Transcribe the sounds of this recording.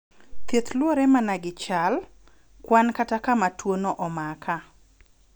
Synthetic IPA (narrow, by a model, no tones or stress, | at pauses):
t̪et̪lwoɾɛmanaɡɪt͡ʃal | kwankatakamatwonoʔɔmakʰa